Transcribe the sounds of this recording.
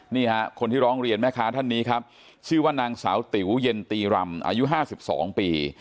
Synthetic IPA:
niː˥˩ha˦˥kʰo˧nt̪ʰiː˥˩ɾɔː˦˥ŋɾi˧ənmɛː˥˩kʰaː˦˥t̪ʰa˥˩nːiː˦˥kʰa˦˥p̚ | t͡ɕʰɯː˥˩waː˥˩naː˧ŋsa̰ː˩˦wt̪i˩˦wje˧nt̪iː˧ɾa˧mʔa̰ː˧ju˦˥ʔɦaː˥˩si˨˩p̚sɔ̰ː˩˦ŋpiː˧

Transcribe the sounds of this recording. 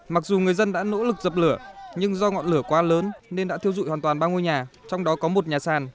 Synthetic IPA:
ma˨˩k̚zu˨˩ŋɨ˨˩əjzə˧nɗa̰ː˧˥no̰˧˥lɨ˨˩k̚zə˨˩p̚lɨ˧˩əɲɨ˧ŋzɔ˧ŋɔ̰˧˨nlɨ˧˩əkwaː˨˦ləː˨˦nne˧nɗa̰ː˧˥i˧əwzṵ˧˨jhwaː˨˩t̪waː˨˩nɓaː˧ŋo˧jɲaː˨˩t͡ɕɔ˧wŋ͡mɗɔ˨˦kɔ˨˦mo˨˩t̚ɲaː˨˩saː˨˩n

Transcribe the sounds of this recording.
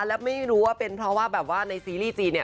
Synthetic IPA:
lɛː˦˥wma˥˩jɾuː˦˥waː˥˩pe˧npʰɾɔ˦˥waː˥˩bɛː˨˩p̚waː˥˩na˧jsiː˧liː˥˩t͡ɕiː˧ni˥˩ə

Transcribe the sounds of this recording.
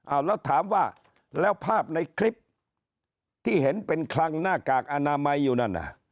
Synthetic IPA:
ʔa˧˩wlɛː˦˥˩wt̪ʰaː˩˦mwaː˥˩ | lɛː˦˥˩wpʰaː˥˩p̚na˧jkʰli˦˥p̚ | t̪ʰiː˥˩ɦe˩˦npe˧nkʰla˧ŋnaː˥˩kaː˨˩k̚ʔa˧naː˧ma˧jːuː˨˩na˥˩nʔa̰˨˩

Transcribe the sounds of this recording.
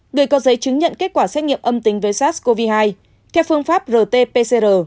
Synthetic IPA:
ŋɨ˨˩əjkɔ˨˦zə˨˦jt͡ɕɨ˨˦ŋɲə̰˧˨nke˦˥t̚kwaː˧˩sɛ˦˥t̚ŋi˧˨əmʔə˧mt̪ï˨˦ŋ̟vəː˨˦jsaː˦˥t̚sko˧vi˧haː˧j | t̪ʰɛ˧˩wfɨ˧əŋfaː˦˥p̚zəː˨˩t̪e˧pe˧se˧zəː˨˩

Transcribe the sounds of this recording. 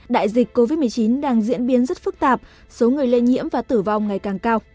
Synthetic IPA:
ɗa̰ː˧˨jzi˨˩k̟ko˧vi˦˥t̚mɨ˨˩əjt͡ɕi˨˦nɗaː˧ŋzḭ˧˥ənɓi˨˦nzə˦˥t̚fɨ˦˥k̚t̪aː˨˩p̚ | so˨˦ŋɨ˨˩əjle˧nɲḭ˧˥əmvaː˨˩t̪ɨ˧˩va˨˩wŋ͡mŋa˨˩jkaː˨˩ŋkaː˧w

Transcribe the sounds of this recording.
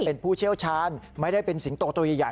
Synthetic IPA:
e˧npʰuː˥˩t͡ɕʰi˥˩əwt͡ɕʰaː˦˥nma˥˩jda˥˩jpe˧nsi˨˩˦ŋt̪oː˧t̪u˧jaː˨˩jaː˨˩

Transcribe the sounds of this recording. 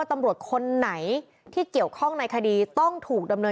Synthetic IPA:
t̪a˧mɾu˨˩ət̪̚kʰo˧nːa˩˦j | t̪ʰiː˥˩ki˨˩əwkʰɔ˥˩ŋna˧jkʰa˧diː˧t̪ɔ˥˩ŋt̪ʰuː˨˩k̚da˧mnɤː˧

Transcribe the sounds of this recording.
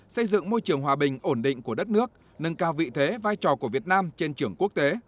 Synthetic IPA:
sə˧jzɨ̰˧˨ŋmo˧jt͡ɕɨ˨˩əŋɦwaː˨˩ɓï˨˩ŋ̟ʔo˧˩nɗḭ̈˧˨ŋ̟ku˧˩əɗə˦˥t̚nɨ˦˥ək̚ | nɨ˨˩ŋkaː˧˩wvḭ˧˨t̪ʰe˨˦vaː˧jt͡ɕɔ˨˩ku˧˩əvi˨˩ət̚naː˧mt͡ɕe˧nt͡ɕɨ˧˩əŋku˦˥ək̚t̪e˨˦

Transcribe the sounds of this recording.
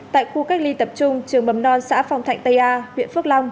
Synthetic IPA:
t̪a̰ː˧˨jxu˧ka˦˥jk̚li˧t̪ə˨˩p̚t͡ɕʊ˧ŋ͡mt͡ɕɨ˨˩əŋɓə˨˦mnɔ˧nsa̰ː˧˥fa˧wŋ͡mt̪ʰa̰˧˩jŋ̟t̪ə˧jʔaː˧hwḭ˧˨ənfɨ˦˥k̚la˧wŋ͡m

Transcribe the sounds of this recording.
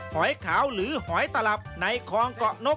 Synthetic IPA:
hɔː˩˦jkʰaː˩˦wɾɯː˩˦hɔː˩˦jt̪a˧la˨˩p̚na˧jkʰɔː˧ŋkɔ˨˩ʔno˦˥

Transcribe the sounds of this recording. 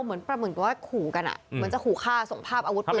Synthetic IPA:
mɯ˩˦ənpɾa˧mɯ˨˩nwaː˥˩kʰuː˨˩ka˧nʔa̰˨˩ma˧nt͡ɕa˨˩kʰuː˨˩kʰaː˥˩so˨˩˦ŋpʰaː˥˩p̚aː˧wt̚ː

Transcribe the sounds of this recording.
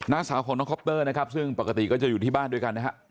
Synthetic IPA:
naː˦˥˩saː˩˦wkʰɔː˨˦ŋnɔː˧˦˥ŋkʰɔ˦˥p̚t̪ɤː˥˩na˥kʰa˦˥p̚sɯ˥˩ŋpa˨˩ka˧t̪i˨˩kɔː˥˩t͡ɕa˨˩juː˨˩t̪ʰiː˥˩baː˥˩ndu˧əjka˧nːa˦˥kʰa˦˥ʔ

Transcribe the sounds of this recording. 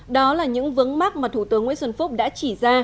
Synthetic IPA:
ɗɔ˨˦laː˨˩ɲɨ̰˧˥ŋvɨ˨˦əŋma˦˥k̚maː˨˩t̪ʰu˧˩t̪ɨ˨˦əŋːwḭ˧˥nswə˧˩nfʊ˦˥k͡p̚ɗa̰ː˧˥t͡ɕi˧˩zaː˧

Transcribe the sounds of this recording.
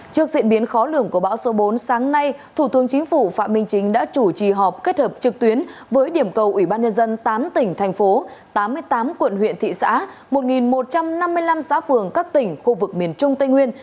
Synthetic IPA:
t͡ɕɨ˦˥ək̚zḭ˧˨ənɓi˨˦ənxɔ˨˦lɨ˧˩əŋku˧˩əɓa̰ː˧˥wso˨˦ɓo˨˦nsaː˨˦ŋna˧jt̪ʰu˧˩t̪ɨ˨˦əŋt͡ɕï˨˦ŋ̟fu˧˩fa̰ː˧˨t̚mï˧ŋ̟t͡ɕï˨˦ŋ̟ɗa̰ː˧˥t͡ɕu˧˩t͡ɕi˨˩ɦɔ˨˩p̚ke˦˥t̚həː˨˩p̚t͡ɕɨ˨˩k̚t̪wi˨˦ənvəː˨˦jɗi˧˩əmkə˨˩wʔwi˧˩ɓaː˧nɲə˧nzə˧nt̪aː˨˦mt̪ï˧˩ŋ̟t̪ʰa˨˩jŋ̟fo˨˦t̪aː˨˦mːɨ˧əjt̪aː˨˦mkwə̰˧˨nɦwḭ˧˨ənt̪ʰḭ˧˨sa̰ː˧˥ | mo˨˩t̚ŋi˨˩nmo˨˩t̚t͡ɕa˧mna˧mːɨ˧əjla˧msa̰ː˧˥fɨ˨˩əŋkaː˦˥k̚t̪ï˧˩ŋ̟xu˧vɨ˨˩k̚mi˨˩ənt͡ɕʊ˧ŋ͡mt̪a˧jŋwi˧ən

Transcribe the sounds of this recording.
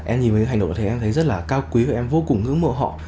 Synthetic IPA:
ʔɛ˧mɲi˨˩nvə˨˦ɨ̰˧˥˨ŋ˨ɗ̰̪ʰɛ˧t̪ʰjzə˦˥t̚laː˨˩kaː˧wkwi˨˦kːʔɛ˧mvo˧kʊ˨˩ŋ͡mŋɨ̰˧˥ŋmə̰˧˨ɦɔ̰˧˨

